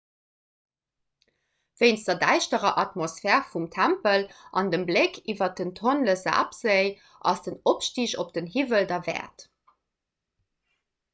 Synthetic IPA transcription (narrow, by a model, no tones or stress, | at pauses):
v̥əɪnsd̥ɐdæɪʃtəʁɐʔɑtmosfɛːʁfumtʰæmpəlʔɑndəmblekʰivɐt̚əntʰonləza̰ːpz̥əɪ | ʔɑ̰sd̥ənopʃtiɕop̚d̥ənɦivəldɐvɛ̰ːɐt